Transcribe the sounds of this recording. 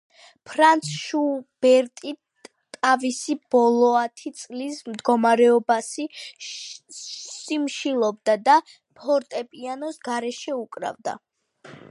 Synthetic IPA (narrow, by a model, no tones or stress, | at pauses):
pʰɾant̪sʰʃub̥ɛɾt̪ʼi | t̪ʼavisib̥ɔlˠɔat̪ʰit̪sʼlismd̪ɡɔmaɾɛɔbasi | simʃilˠɔbd̪ad̪a | pʰɔɾt̪ʼɛpʼianɔsɡaɾɛʃɛukʼɾa̰vd̪a̰